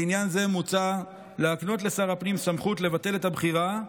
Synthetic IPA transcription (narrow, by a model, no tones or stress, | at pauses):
injanze̞mut͡sa | leakno̞tle̞saʁapnimsamχutle̞vate̞le̞tabχiʁa